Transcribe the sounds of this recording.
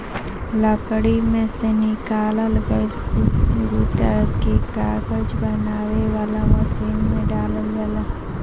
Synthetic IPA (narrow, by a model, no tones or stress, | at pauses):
ləkɽimẽsenɪkaːləlɡəlkuɡut̪akekaːɡəd͡ʒbənaːweʋaːlamɐsiːnmẽɖaːləld͡ʒaːlaː